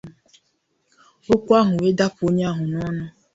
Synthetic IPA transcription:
o˦kʷa˦ɦʊ˨we˦da˦po˦ɲ˦a˦ɦʊ˨nɔ˦nɔ˦

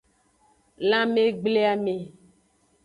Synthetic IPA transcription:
lã˦mẽ˦ɡ͡ble˦a˨me˨

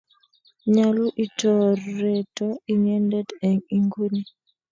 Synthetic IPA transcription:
ɲa˦lu˦ʔi˦tɔ˨rːɛ˨tɔ˦i˦ɲɛ˦ndɛ˦dɛ˨ŋi˦ŋɡu˦ni˦

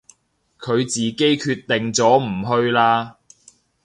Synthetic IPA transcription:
kʰɵ˨˧ɥt͡siː˨˩ke˥jkʰyː˧t̪ːɪ˨ŋt͡sɔː˨˥m̩˨˩ɦɵ˧ɥlaː˧

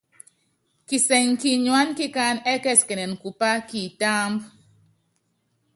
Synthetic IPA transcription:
ki˨sɛ˨ŋki˦ɲwa˦nki˦ka˧nɛ˦kɛ˦˨skɛ˨nɛ˨nku˨pa˦ki˨ta˦mb

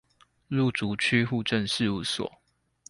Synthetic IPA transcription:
lu˥˨˩t͡su˨˦t͡ɕʰy˥˦xu˥˧ʈ͡ʂə˥˨nʂɻ̩˥˧u˥˩swɔ̰˨˩˦

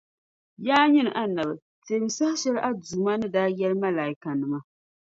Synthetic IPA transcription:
jaː˦ɲɪ˦n˨ʔa˦na˨bɨ˨ | te˨˦m˨sa˦hʃɛ˦lʔa˦duː˨ma˦nɨ˦daː˦jɛ˦lma˦laː˨ji˦ka˨nɨ˨ma˦

